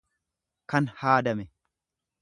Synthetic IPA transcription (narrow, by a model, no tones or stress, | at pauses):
kɐnhaːd̪ɐmɛ